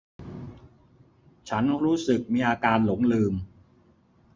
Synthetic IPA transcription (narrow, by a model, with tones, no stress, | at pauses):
t͡ɕʰa˦˥nɾuː˦˥sɯ˨˩k̚miː˧ʔaː˧kaː˧nlo˩˦ŋlɯː˧m